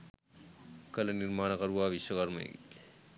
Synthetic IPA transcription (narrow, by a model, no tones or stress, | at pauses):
kɐlɐniɾmaːɳ̃ɐkɐɾuʋaːʋiʃwɐkɐɾmɐ̰j̰ɡḭ